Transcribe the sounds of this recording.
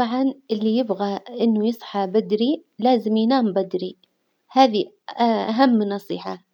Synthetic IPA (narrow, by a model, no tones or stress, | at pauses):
t̪ˤɑʕɑnʔɪlːijɪbɣaʔɪnːʊjɨsˤħɑbad̪ɾilaːzɪmjnaːmbad̪ɾi | haːði | ʔʔaɦamːnɑsˤḭːħa